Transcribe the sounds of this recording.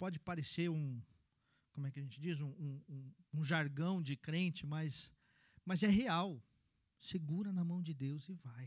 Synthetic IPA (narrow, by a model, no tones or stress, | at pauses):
pɔd͡ʒɪpaɾeseɾũ | kõmʊɛkɪɐʒẽnt͡ʃɪd͡ʒizũũũũʒaɾɡɐ̃w̃d͡ʒɪkɾẽnt͡ʃɪmɐs | mɐzɛɦeaw | seɡuɾɐnɐmɐ̃w̃d͡ʒɪd̪ewzɪvaj